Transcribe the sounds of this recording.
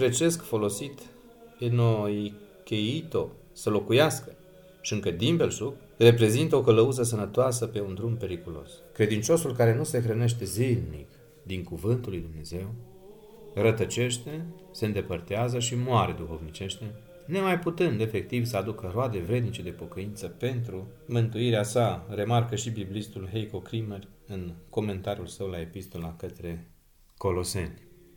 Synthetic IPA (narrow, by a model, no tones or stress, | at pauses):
pɾe̞t͡ʃe̞skfo̞lo̞sit̪ | peno̞jkʲe̞jit̪o̞ | səlo̞kujaskə | ʃiɨŋkəd̪imbe̞lsuk | re̞pɾe̞zint̪əo̞kələuzəs̬ənət̪oasəpe̞und̪ɾumpe̞ɾikulo̞̰skɾe̞d̪int͡ʃo̞sulkaɾe̞nuse̞xɾəne̞ʃt̪e̞zilnḭk | d̪iŋkuvɨnt̪ulːujd̪umne̞ze̞w | rət̪ət͡ʃe̞ʃt̪e̞ | se̞ɨnd̪e̞pərt̪eazəʃimoaɾe̞d̪uxo̞vnit͡ʃe̞ʃt̪e̞ | ne̞majput̪ɨnd̪e̞fe̞k̚t̪ivsəad̪ukəroad̪e̞vɾe̞d̪nit͡ʃe̞d̪e̞po̞kəint̪səpe̞nt̪ɾumɨnt̪uiɾeasare̞markəʃibiblist̪ulɦejko̞kɾimerʲɨnko̞me̞nt̪aɾiulsəwlae̞pist̪o̞lakət̪ɾe̞ | ko̞lo̞se̞̰nʲ